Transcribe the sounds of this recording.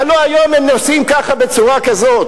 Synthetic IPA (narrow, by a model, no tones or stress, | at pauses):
aloajo̞memnosimkaχabe̞t͡suʁakazo̞t̪̚